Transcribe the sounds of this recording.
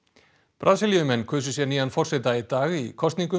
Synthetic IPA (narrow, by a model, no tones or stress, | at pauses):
pɾʔaːsiljʏmɛnːkʰʏːsʏsjɛniːðanfɔr̥sɛt̪ait̪aːɣikʰɔst̪niŋkʏ